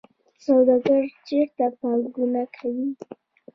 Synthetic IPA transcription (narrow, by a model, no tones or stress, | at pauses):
sawd̪ɑɡaɾd͡ʒeɾt̪apɑɡunakʰawi